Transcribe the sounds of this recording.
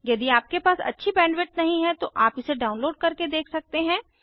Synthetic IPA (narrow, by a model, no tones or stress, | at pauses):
jɐd̪iaːp̚kepaːsɐ̰tːʃʰibɛ̃ːɳɖʋɪʈ̚nɐɦĩɦɛ̃t̪oʔaːpɪseɖaːʊnloːɖ̚kɐɾked̪eːkʰsɐk̚t̪eɦɛ̃ː